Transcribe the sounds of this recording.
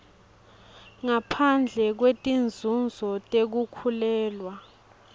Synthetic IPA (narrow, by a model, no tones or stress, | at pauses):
ŋapʰand͡ɮʱɛk̬wetʼind͡zʱund͡zʱɔtʼek̬ukʰulɛːlwa